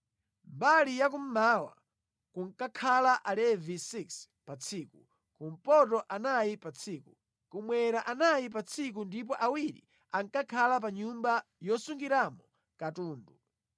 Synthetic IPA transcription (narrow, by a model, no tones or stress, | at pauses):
mbalijak̬um̩maːwa̰ | kuŋkakʰalaʔalɛvisiks | pat͡sʰiːku | kum̩pɔtɔʔanajipat͡sʰiːku | kumwɛɾaʔanajip̬at͡sʰik̬undip̬ɔʔawiɾḭ | aŋkakʰalap̬aɲumbajɔsuŋɡiɾamɔ | katuːndu